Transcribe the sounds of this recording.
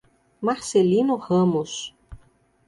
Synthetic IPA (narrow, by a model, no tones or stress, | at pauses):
maɾselinuʁɐ̃mus